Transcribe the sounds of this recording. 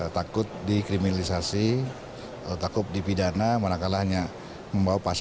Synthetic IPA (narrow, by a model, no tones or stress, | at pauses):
t̪akʊt̪̚dikɾiminalisasi | alot̪akʊp̚dipidanamanakalahɲa | məmbawapas